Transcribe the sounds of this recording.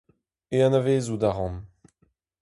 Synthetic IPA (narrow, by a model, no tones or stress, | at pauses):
eãnaveːzud̪aʁɑ̃m